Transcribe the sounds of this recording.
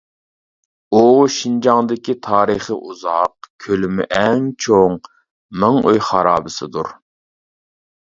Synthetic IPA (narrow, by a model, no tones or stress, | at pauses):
uʃind͡ʒɑŋd̪ɪkʲit̪ʰɑːɾəχəʔuzɑqkʲʰølymɪ̰ʔɛŋt͡ʃʰoŋ | mɪŋøjχɑɾɑːbɨsɨd̪uɾ